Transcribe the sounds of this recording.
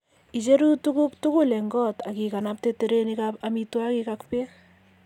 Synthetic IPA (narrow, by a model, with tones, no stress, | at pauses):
i˨t͡ʃe˦ɾu˦tukʊktu˦kʊ˦lɛ˨ŋɡɔ˦ta˨ki˨ka˨nap̚tete˨ɾenikapamitwakikakpe˦